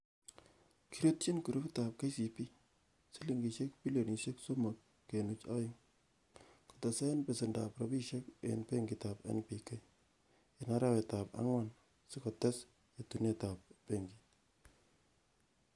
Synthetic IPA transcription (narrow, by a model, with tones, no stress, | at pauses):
kʰi˨ɾo˦t̚t͡ʃi˦nku˨ɾu˦pi˦ta˨p̚ke˦si˨pi˦ | si˦li˨ŋɡi˨ʃe˦k̚pi˦lo˨ni˨se˦kso˦mo˨kːe˨nu˦t͡ʃa˦ɪ˦ŋ | ko̥˨tɔ˨sɛ˦npe˨sɪ˨nda˨pɾɔ˨bi˦ʃe˦kḛ˨npe˦ŋɡi˨ta˨pɛ̰˦npi˨ke˦ | e˨na˦ɾa˦wɛ˨ta˨pa̰˦ŋwa˦n | sɪ˦kɔ˨tɛ˦s | je˨tu˨nje˦ta˨p̚pe˦ŋɡi˨